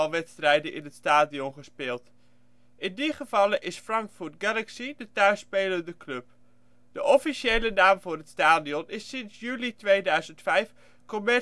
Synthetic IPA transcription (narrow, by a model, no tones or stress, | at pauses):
lˠʋɛtstrɛjdəʔɪ̰nɦətstaːdiɔnχəspɪːlˠt | ʔɪndiχəvɑləʔɪsfrɑŋkfuɹt̚ɡɛlaksidətœɥspeːləndəklɵp̚ | d̥əʔɔfiʃejlənaːmvʊːrɦətstaːdiɔnɪsɪnsjyːlitʋejdœɥzəntfɛjf | komɛ